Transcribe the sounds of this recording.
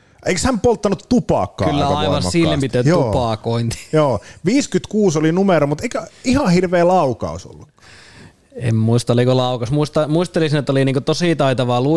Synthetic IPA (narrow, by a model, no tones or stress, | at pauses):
ʔeikshæmpolt̪ːɑnut̪ːupɑ̰ːˑkːɑ̰kylːæ̰ɑiʋɑnsilːempit̪ːøt̪uːpɑːˑkoint̪i̥joːʋiːskyt̪kuːsolinumeɾomut̪eikæihɑhirʋeːlɑukɑ̰ˑuso̰lːukːɑ̥ | ḛmmuist̪ɑlːikolɑˑukɑsmuist̪ɑmuist̪elisinet̪ːoliniːŋkot̪osiˑt̪ɑit̪ɑʋɑlu